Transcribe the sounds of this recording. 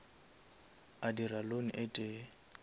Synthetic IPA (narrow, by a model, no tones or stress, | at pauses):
adiraloniʔetʼe